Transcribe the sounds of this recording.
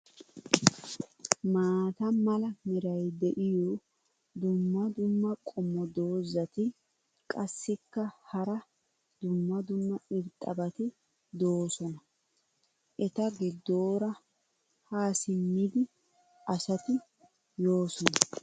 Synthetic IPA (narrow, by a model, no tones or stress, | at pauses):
maːt̪ɐmɐlɐmɪɾɐjd̪ɛʔɪjɔ | d̪ʊmːɐd̪ʊmːɐkʼɔmːɔd̪oːzːɐt̪ɪ | kʼɐsːɪkːɐhɐɾɐ | d̪̥ʊmːɐd̪ʊmːɐɪɾt̪ʼɐbɐt̪ɪ | d̪o̞ːsɔnɐ | ʔɛt̪ɐɡɪd̪ːoːɾɐ | haːsɪmːid̪ɪ | ɐsɐt̪ɪ | joːsɔnɐ